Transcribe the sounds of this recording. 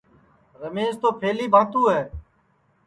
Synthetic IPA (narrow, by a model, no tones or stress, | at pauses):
ɾəmeːzt̪oːpʰeːliːbʱãːt̪uːɦɛː